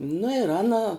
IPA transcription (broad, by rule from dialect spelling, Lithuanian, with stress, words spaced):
nʊ ɪr ˈɑːnɐ